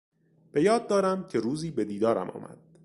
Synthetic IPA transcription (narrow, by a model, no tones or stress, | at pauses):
b̥e̞jɒːd̪̚ːɒːɾæmcʰe̞ɾuːziːbe̞d̪iːd̪ɒːɾæ̰mʔɒ̰ːmæ̰d̪̥